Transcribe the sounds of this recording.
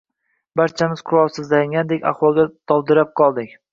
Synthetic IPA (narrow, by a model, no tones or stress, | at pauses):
baɾt͡ʃʰamɪz̥qʰʊɾɒlˠsɪzlaŋɡʲand̪ekʲa̰χwɒlˠɡʲad̪̥ɒbd̪ɪɾap̚qʰɒlˠd̪ɪkʲ